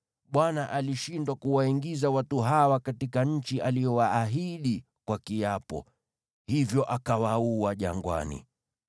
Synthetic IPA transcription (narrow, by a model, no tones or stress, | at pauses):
ɓwanaʔaliʃindwakuwaiŋɡizawatuɦawakatikaɲ̩t͡ʃiʔalijɔwaːɦiɗi | kwakiapɔ̰ | hivjɔʔakawauaʄa̰ŋɡwa̰nḭ